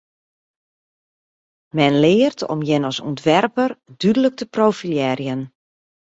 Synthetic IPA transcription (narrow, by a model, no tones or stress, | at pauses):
mɛnlɪːərtʰɔ̰mjɪnɔsɔ̰ntʋɛrpərdydələk̚təprowfiljɛːɾjən